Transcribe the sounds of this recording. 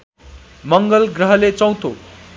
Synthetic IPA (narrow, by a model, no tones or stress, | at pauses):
mʌŋɡʌlɡrʌɦʌlet͡sʌ̃w̃t̪ʰo